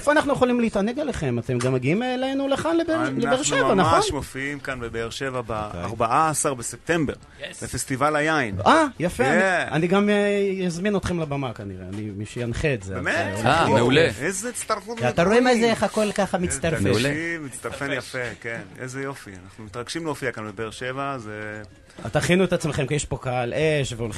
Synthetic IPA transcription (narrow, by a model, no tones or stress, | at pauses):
efoanaχnujeχolimlit̪aneɡaleχemat̪emɡamːaɡiimːlejnuleχanlebelebeʁʃevanaχonʃmofiimkanbebeːʁʃevabea̰ʁbaʔaːsaʁbesep̚t̪embeʁ | lefest̪ivalajainʔajafeaniɡamjazminot̪χemlabamakaniʁeanimiʃejanχeːzebemetameuleezet͡st̪aʁfutvat̪aʁoimezeeχako̞lkaχamit͡st̪aɾfmeuemit͡st̪aʁfenjafekenezejo̞fia̰naχnumit̪ʁaɡʃimleofiakanbebeːʁʃevaze | a̰t̪aχinuet̪at͡smeχemkijeʃpo̞kaaleʃveol